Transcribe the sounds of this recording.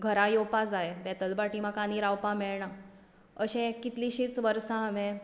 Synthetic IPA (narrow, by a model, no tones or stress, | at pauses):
ɡʱəɾãjopad͡zaebɛt̪əlbaʈimãkaniɾawpãmeɭɳa | əɕẽkit̪liɕiːt͡sʋəɾsãːʋẽ